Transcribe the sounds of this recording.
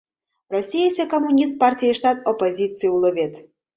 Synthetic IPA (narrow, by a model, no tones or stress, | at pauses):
rɔsʲijesʲɛkomːunʲis̬t̪̚pɑrtʲijiʃt̪ɑt̪opozʲit̪t͡sɨjulɨβʲet̪